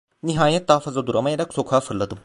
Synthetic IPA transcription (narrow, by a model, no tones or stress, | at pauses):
niɦaːjɛt̪̚ːaːfɐzad̪uɾamajaɾaksokʰaːfɯɾlˠɐd̪ɯm